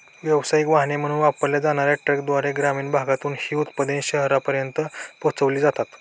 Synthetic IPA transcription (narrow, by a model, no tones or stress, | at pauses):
ʋjəʋsajikʋaɦnem̤əɽ̃ũːnʋapəɾljad͡zaɽ̃aɾjaʈɾəkd̪ʋaɾeɡɾamiːɳbʱaɡat̪uːnhiːut̪pəd̪enɕəɦɾapəɾjənt̪əpot͡səʋliːd͡zat̪at̪